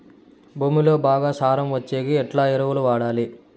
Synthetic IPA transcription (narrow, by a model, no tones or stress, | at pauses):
bʱuːmilo̞ːbaːɡaːsaːɾɐmʋɐt͡ʃːeːɡiɛʈlaːiɾɐʋuluʋaːɽaːli